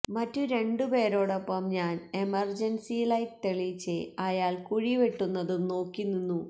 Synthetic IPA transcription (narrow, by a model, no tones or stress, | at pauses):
mɐtːuɾe̞ɳɖupe̞ːɾo̞ːɽopːɐmɲaːne̞mɐrd͡ʑɐnsilɐjʈt̪eɭit͡ɕːeɐjaːlkuɻiʋeʈːunːɐðumno̞ːkːunːunːu